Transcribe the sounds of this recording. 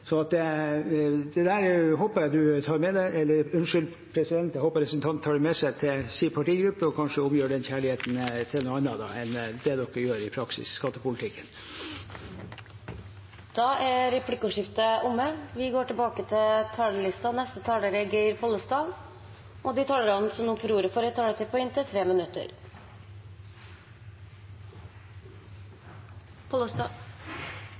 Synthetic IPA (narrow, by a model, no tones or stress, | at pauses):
sɔnɑt̪̚d̪ɛ | d̪ɛd̪æɾɦoːpəɾjæɪd̪ʉt̪ʰɑːɾmɛd̪æɪʔɛlːəɾʉnʂʏl | pʰɾɛsɪd̪ɛnt̪jæhoːpəɾɛsn̩t̪ʰɑnt̪ʰːɑːɖɛmɛsɛɪt̪ʰɪlsipʰɑʈiːɡɾʉpːəɔkʰɑnʂəʊmjøːɖɛnçæːɭɪheːt̪n̩t̪ʰɪlnuːɑnːɾɑd̪ɑ̰ɛnd̪ɛd̪ɔkːəjøːɾɪpʰɾɑksɪ̰sskɑt̪ːəpʊlt̪ʰɪkːən | d̪̥ɑːʔæɾɛpʰlɪkːʊʂɪft̪əʔʊmːəʋɪɡoːʈɪlbɑːkət̪ʰɪlt̪ʰɑːləlɪst̪ɑnɛst̪ət̪ʰɑːləɾəɡeɪɾpʰɔlːəst̪ɑl | ʔɔd̪ɪt̪ʰɑːləɾɔnsɔmnuːnfɔɾuːɾəfɔɾət̪ʰːɑːɖ̪ət̪ʰɪlpʰɔɪnt̪ʰɪt̪ʰɾeːmɪnʉt̪ːə̰ɾ | pʰɔ